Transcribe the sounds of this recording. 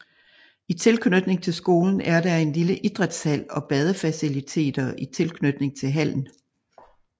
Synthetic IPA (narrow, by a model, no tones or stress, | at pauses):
it͡sʰe̝lkʰnød̥ne̝ŋt͡sʰe̝lsɡ̥o̝ːln̩æɐdæe̝nliləʔid̥ʁɛd̥shæl̰ɒ̽b̥ɛð̞ˠəfæsilit͡sʰe̝̰ːd̥ɐit͡sʰe̝lkʰnød̥ne̝ŋt͡sʰe̝lɦæl̰n̩